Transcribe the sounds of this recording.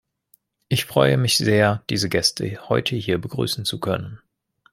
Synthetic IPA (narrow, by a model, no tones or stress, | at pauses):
ʔɪçfʁ̥ɔʏəmɪçz̥eːɐd̥iːzəɡɛstʰə̰hɔʏtʰəhiːɐbəɡʁy̰ːsn̩t͡sukʰœnən